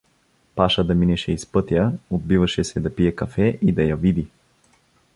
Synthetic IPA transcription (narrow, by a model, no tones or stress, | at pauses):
paʃəd̪ɐminɛʃɛispɤt̪jəod̪̚bivɐʃɛsɛd̪ɐpiɛkɐfɛʔid̪ɐjavid̪i